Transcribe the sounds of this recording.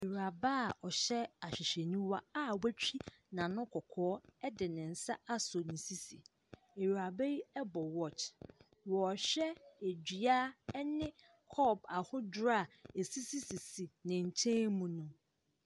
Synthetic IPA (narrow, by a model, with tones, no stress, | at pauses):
e˨ɥa˨ba˦˨ɔ˨ɕɛ˦a˨ɕᶣɪ˨ɕᶣɛ˨nĩ˦wa˦a˦wæ˦t͡ɕʰᶣi˦ | nã˨nʊ̃˦kʰɔ˨kʰɔː˨˦ɛ˦dɪ˨nɪ̃˨n̩˨sa˦a˦so˨nɪ̃˨si˦si˨ | e˨ɥa˨be˦ji˦ɛ˦bɔ˨wɔ˦˨t͡ʃ | wɔ˨ɕᶣɛ˦e˨d͡ʑi˨a˦nɪ̃˦ | kʰɔ˦ba˨hʊ̃˦dɾa˦˨e˨si˦si˦si˨si˨nɪ̃˨ɲ̩˨t͡ɕʰẽ˦mũ˨nʊ̃˦